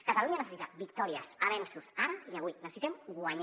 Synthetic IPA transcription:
kat̪aluɲanəsəsit̪abik̚t̪ɔɾiəsaβɛnsusaɾɐiaβuinəsəsit̪ɛmɡwaɲ

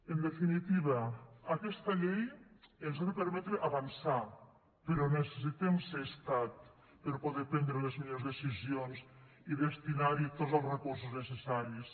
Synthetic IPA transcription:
end̪efinit̪iβɐːkɛst̪ɐʎejenzaðepeɾmɛt̪ɾeʔaβansa | peɾɔneses̬it̪emseːst̪at̪̚ | peɾpoðepɛnd̪ɾelezmiʎozðesizions | iðest̪inaɾit̪ozəlˠzrekuɾsuznesesaɾis

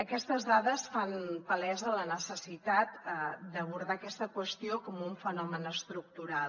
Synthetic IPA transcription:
əkɛst̪əzðaðəsfanpəlɛzələnəsəsit̪at̪əd̪əβ̞uɾðaːkɛst̪əkwəst̪iokɔmuɱfənɔmənəst̪ɾuk̚t̪uɾal

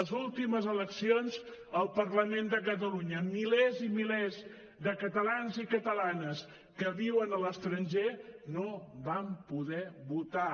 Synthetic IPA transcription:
əzulˠt̪iməzələksionzəlˠpərləmend̪ək̬ət̪̬əluɲəmilezimilɛz | d̪əkət̪əlanzikət̪əlanəs | kəβiwənələst̪ɾənʲʒenoβampuðɛβut̪a

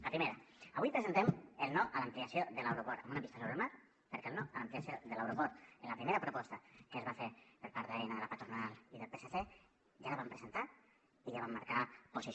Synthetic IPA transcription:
lapɾimeɾa | aβujpɾezent̪emelˠnoʔalampliasjoðelawɾopɔɾambunaβist̪asoβelmaɾ | peɾkelnoalampliasjoðelawɾopɔɾt̪enlapɾimeɾapɾopɔst̪akezβafeɾpeɾpaɾt̪aejnaðelapat̪ɾonaliðelpeseθe | ʒalaβampɾezent̪a | iʎaβamːaɾkaposis

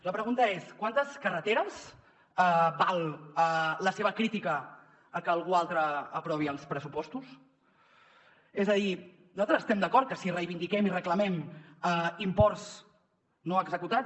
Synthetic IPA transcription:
ləpɾəɣunt̪əeskwant̪əskərət̪eɾəz | əbalˠələseβəkɾit̪ikəː | kəːlˠɣualˠt̪ɾəəpɾɔβiəlˠspɾəsupɔst̪us | ezəði | nuzalt̪əzəst̪ɛmd̪əkɔɾt̪̚kəsirəjβind̪ikɛmirəkləmɛməimpɔrz | noəɡzəkut̪a

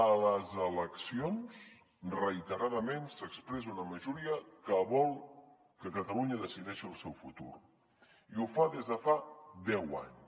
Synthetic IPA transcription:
ələzələksions | rəit̪əɾaðəmensəkspɾɛzunəməʒuɾiəkəβɔlˠ | kəkət̪əluɲəðəsiðɛʃiəlˠsɛwfṵt̪ṵr | iufaðezðəfad̪ɛwa̰ɲs

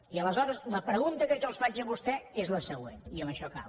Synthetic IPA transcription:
iələzɔɾəzləpɾəɣunt̪əkəʒəlˠsfad͡ʒəβust̪ɛezləsəɣwḛniəmbəʃɔka̰β

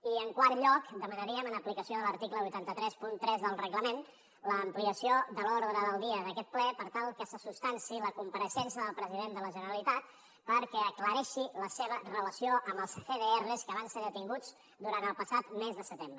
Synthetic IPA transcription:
iəŋkwaɾʎɔkd̪əmənəɾiəmənəplikəsioðələɾt̪ikləβujt̪ant̪ət̪ɾɛspunt̪ɾɛzðəlˠrəɣləmen | ləːmpliəsioðəloɾðɾəðəlˠd̪iəðəkɛt̪̚plɛpəɾt̪alˠkəsəsupst̪ansiləkumpəɾəʃɛnsəðəlˠpɾəziðend̪ələʒənəɾəlit̪at̪̚ | pəɾkɛəkləɾɛʃiləseβərələsioʔəmbəlˠsfeðeerəskəβ̞anseɾðət̪iŋɡut͡s | d̪uɾant̪əlˠpəsat̪mɛzðəsət̪embɾə

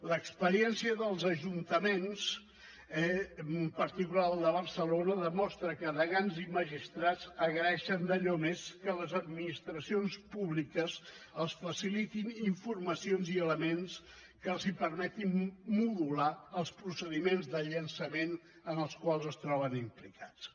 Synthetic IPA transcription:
ləkspəɾiɛnsiəðəlˠzəʒunt̪əmens | ɛpəɾt̪ikulalˠd̪əβəɾsəlonəðəmɔst̪ɾəkəðəɣanziməʒist̪ɾazəɣɾəɛʃənd̪əʎɔmeskələzəd̪minist̪ɾəsionspuβlikəsəlˠsfəsilit̪iniɱfurməsionziələmens | kəlˠzipəɾmɛt̪inmuðulaəlˠspɾusəðimenzd̪əʎənsəmen | ənəlˠskwalˠzəst̪ɾɔβənimplikat͡s

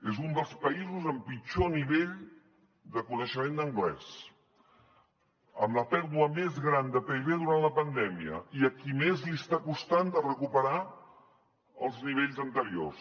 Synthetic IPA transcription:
ezund̪əlˠspəizuzəmpit͡ʃoniβ̞eʎ | d̪əkunəʃəmẽnd̪əŋɡlɛ̰s | əmləpɛɾðuəmezɣɾand̪əpejβeðuɾanləpənd̪ɛmiə̰iəkimezliəst̪akust̪and̪ərəkupəɾa | əlˠzniβ̞eʎʲzənt̪əɾio̰s

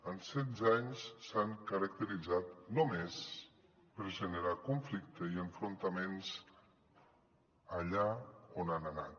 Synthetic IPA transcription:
ənsɛnzaɲssaŋkəɾək̚t̪əɾid͡zat̪numes | pəɾʒənəɾakuɱflik̚t̪əiəɱfɾunt̪əmens | əʎaonanənat̪

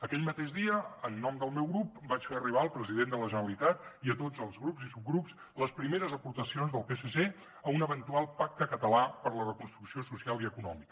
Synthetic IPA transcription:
əkɛʎmət̪eʒðiəənːɔmd̪əlˠmɛwɣɾupbat͡ʃfeəriβ̞aəlˠpɾəziðend̪ələʒənəlit̪at̪iət̪od͡zəlˠzɣɾupzisub̚ɡɾups | ləspɾimeɾəzəpuɾt̪əsionzðəlˠpesese | əunəβənt̪ualˠpak̚t̪əkət̪əlapəɾlərəkunst̪ɾuksiosusialˠiəkunɔ̰mik

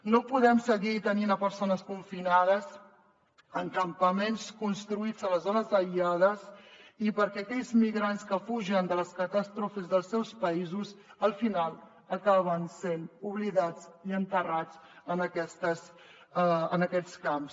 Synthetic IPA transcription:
nopuðɛmsəɣit̪əninəpəɾsonəskuɱfinaðəz | əŋkəmpəmenskunst̪ɾuid͡zələzonəzəʎiað̞əsipəɾkɛəkɛʎzmiɣɾanskəfuʒənd̪ələskət̪ast̪ɾofezðəlˠsɛwspəizuzəlˠfinalˠ | əkaβ̞ənsenuβliðad͡ziənt̪ərat͡s | ənəkɛst̪əs | ənəkɛskams

